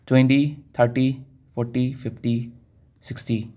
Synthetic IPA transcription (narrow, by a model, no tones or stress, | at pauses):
ʈwɛ̃ɳʈit̪ʰəɾʈi | fɔːɾʈifʰɪfʈi | sɪksʈi